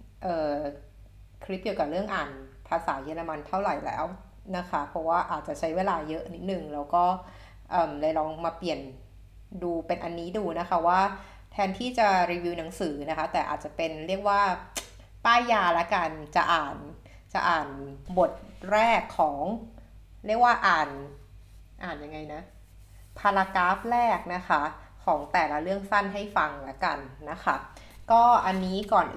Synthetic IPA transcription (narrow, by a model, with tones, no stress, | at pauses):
ʔɤː˨˩ | kʰɾi˦˥p̚ki˨˩əwka˨˩ɾɯ˥˩əŋʔaː˨˩npʰaː˧saː˩˦jɯː˧la˧ma˧nt̪ʰa˥˩wɾa˨˩jlɛ̰ː˦˥w | na˦˥kʰa˦˥pʰɔ˧˥waː˥˩ʔaː˨˩t̪̚t͡ɕa˨˩t͡ɕʰa˦˥jweː˧laː˧jɤ˦˥ʔni˦˥t̪̚nɯ˨˩ŋlɛː˦˥wkɔː˥˩ | ʔɤː˨˩mlɤ˧jlɔː˧ŋmaː˧pli˨˩ən | duː˧pe˧nʔa˧nːiː˦˥duː˧na˦˥kʰa˦˥waː˥˩ | t̪ʰɛː˧nt̪ʰiː˥˩t͡ɕa˨˩ɾiː˧wi˦˥na˩˦ŋsɯː˩˦na˦˥kʰa˦˥t̪ɛː˨˩ʔa̰ː˨˩t̪̚t͡ɕa˨˩pe˧nɾi˥˩ək̚waː˥˩ | p̪aː˥˩jjaː˧lɛ˦˥ka˧nt͡ɕa˨˩ʔaː˨˩n | t͡ɕa̰˨˩ʔaː˨˩nbo˨˩t̪̚ɾɛː˥˩kʰːɔː˩˦ŋ | ɾi˥˩ək̚waː˥˩ʔaː˨˩n | ʔaː˨˩nja˧ŋːa˧jna˦˥ | pʰaː˧laː˧kaː˦˥p̚ɾɛː˥˩k̚na˦˥kʰa˦˥ | kʰɔː˩˦ŋt̪ɛː˨˩la˦˥ɾɯ˥˩əŋsa˥˩nɦa˥˩jfa˧ŋlɛ˦˥ka˧nːa˦˥kʰa˦˥ | kɔː˥˩ʔa˧nːiː˦˥kɔː˨˩n